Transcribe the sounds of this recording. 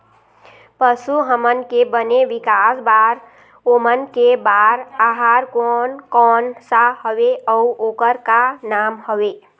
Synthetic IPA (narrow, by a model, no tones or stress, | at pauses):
pəsuɦəmənkebəneʋikasbaɾ | omənkebaɾaɦaɾkɔnkɔnsahəweəuokəɾkanamɦəwe